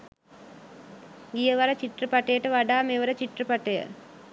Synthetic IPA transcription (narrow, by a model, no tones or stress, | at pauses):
ɡijəʋaɾət͡ʃiʈrəpaʈəjəʈəʋaɖaːmeʋəɾət͡ʃiʈrəpaʈəjə̰